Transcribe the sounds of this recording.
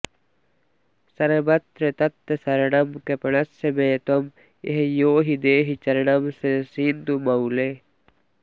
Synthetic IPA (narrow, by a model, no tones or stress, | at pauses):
sɐɾebɐt̪ɾet̪ɐt̪ːesɐɾɐnɐmkepɐɳɐsemeːt̪om | ḛɦejoːɦid̪eːɦit͡ʃɐɾɐɽɐmsesiːnd̪umɐule